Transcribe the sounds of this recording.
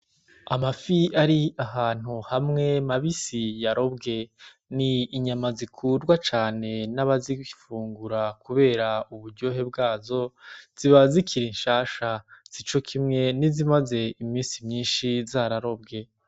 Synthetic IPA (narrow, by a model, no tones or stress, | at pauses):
amafiaɾiahaːn̥huhamŋe̞maβisijaɾo̞bɡe̞ | niːɲamazikʰuːɾɡwat͡ʃaːne̞naβazifuːŋɡuɾakuβe̞ːɾauβuɾɟo̞ɦe̞bɡaːzo̞z̥iβazikʰiɾinʃaːʃaz̥it͡ʃo̞kʰimŋe̞nizimaze̞imiːnsimɲiːnʃizaɾaɾo̞bɡe̞